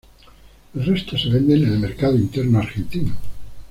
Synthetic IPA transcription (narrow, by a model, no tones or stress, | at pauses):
lrest̪oseβend̪enelmeɾkað̞oint̪eɾnoaɾxent̪ino